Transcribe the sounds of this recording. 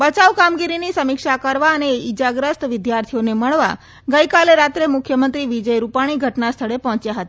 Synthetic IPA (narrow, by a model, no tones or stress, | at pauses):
bət͡ʃaʋkamɡiɾinisəmɪkʃakəɾʋaəneid͡ʒaɡɾəst̪ʋɪd̪jaɾt̪ʰijoneməɭʋa̰ | ɡəjkaleɾat̪ɾemʊkʰjəmənt̪ɾiʋid͡ʒəjɾupaɽ̃iɡʱəʈnast̪ʰəɭepɔɦɔ̃t͡ʃjaɦət̪a